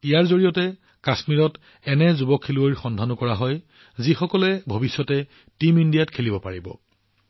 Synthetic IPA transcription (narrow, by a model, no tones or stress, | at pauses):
ijaɹzoɹijɔtɛ | kasmiɹɔt | ɛnɛzubɔkʰːeluoɹxɔndʱanʊkɔɹaɦɔj | zixɔkɔlɛbʱobisːɔtɛ | timindijatkʰelibɔpaɹibɔ̰